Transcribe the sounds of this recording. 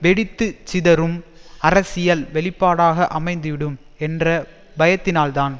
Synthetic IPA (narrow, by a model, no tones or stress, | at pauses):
ʋɛɽɪt̪ːɯt͡ʃɪðɐɾɯmɐɾɐsɪjɐlʋɛɭɪpːaːɽaːɣɐʔɐmɐɪnd̪ɯʋɪɽɯm | ɛndrɐ | bɐjɐt̪ːɪnaːlt̪aːn